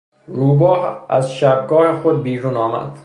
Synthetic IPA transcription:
ɾuːbɒːha̰zʃab̚ɡɒːjexod̪̚biːɾuːnɒːma̰d̪̥

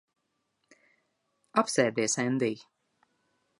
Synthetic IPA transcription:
apsɛːɾd̪iɛsɛnd̪ij

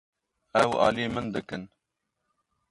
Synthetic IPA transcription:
ɛwɑ̰ːlijemənd̪ɨkɨn

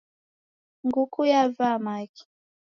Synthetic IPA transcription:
ŋɡukujavamaki̥

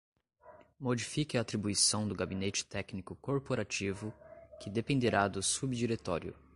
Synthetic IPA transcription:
mod͡ʒifikɪaːt̪ɾibuisɐ̃w̃d̪ʊɡabinet͡ʃɪ̥t̪ɛknikʊkoɾpoɾat͡ʃivʊkɪd̪epẽnd̪eɾad̪ʊsubd͡ʒiɾet̪ɔɾjʊ̰

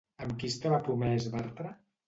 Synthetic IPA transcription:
əmkist̪aβapɾumɛzβɛɾt̪ɾa

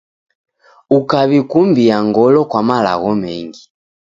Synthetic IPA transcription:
ukaβikumbiaŋɡɔlɔkwamala̰ɣɔmɛŋɡi

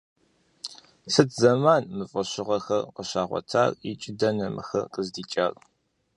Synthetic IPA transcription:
sɨtʰzɐmaːnmɨfʼɐɕɪʁɐxɐrqəɕaːʁʷɔ̰tʰa̰ːrɪ̰t͡ʃʼɪdɐnɐmɨ̰xɐqʼəzdiːt͡ʃʼaːrʼ

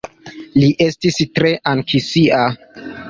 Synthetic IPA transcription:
liʔe̞stistɾe̞ʔaŋkʰisiʔa

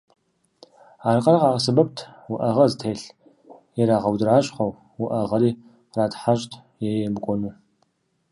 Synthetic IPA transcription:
aːrqɐrɐqɑːsɨbɐp̚tʰwʊʔɐʁɐztʰeːɬ | jɛɾaːʁɐwdɨraːɕʼχʷɐw | wʊʔɐʁɐɾiː | qraːtħaɕʼtʰ | jɛjɛbkʷʼɔnuː

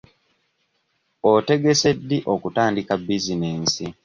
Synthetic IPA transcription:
ote̞ɡe̞se̞dːiʔo̞kutaːndikabːizineːnsi

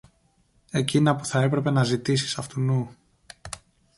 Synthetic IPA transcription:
e̞cinɐpu̥θɐe̞pɾe̞pe̞nɐzit̪isi̥sɐft̪unu

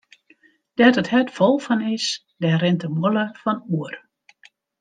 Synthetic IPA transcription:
d̥ɛtəthɛtfɔlˠfɔnis | dɛrɪntəmoləfɔnuər

